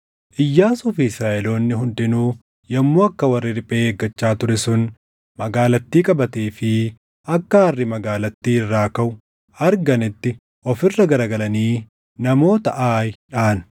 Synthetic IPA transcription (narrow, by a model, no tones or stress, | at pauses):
ʔɪjːaːsʊfɪɪsɾaːʔɛlo̞ːnːɪɦʊnd̪ɪnuː | jɐmːoːɐkːɐwɐrːɪɾɪpʼːeːeːɡːɐt͡ʃːaːt̪ʊɾɛsʊn | mɐɡaːlɐt̪ːiːkʼɐbɐt̪eːfɪ | ɐkːɐːrːɪmɐɡaːlɐt̪ːiːɪrːaːkɐʔʊ | ɐɾɡɐnɪt̪ːɪ | ʔɔfɪrːɐɡɐɾɐɡɐlɐniː | nɐmo̞ːt̪ɐʔaːjᶑaːɐn